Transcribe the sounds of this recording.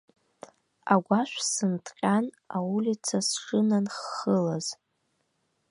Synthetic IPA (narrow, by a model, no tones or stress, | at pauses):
aɡʷaʃʷsɨntʰʼqʲʼan | aulʲit͡sʰasʈ͡ʂʼɨnanχːəlaz̥